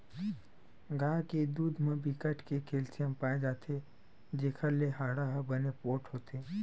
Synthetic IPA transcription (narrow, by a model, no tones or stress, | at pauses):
ɡaːked̪uːd̪ʱmẽbikəʈkekʰeːlsijəmpaːed͡ʒaːt̪ʰe | d͡ʒeːkʰəɾleɦaːɽaɦbənepoːʈɦoːt̪ʰeː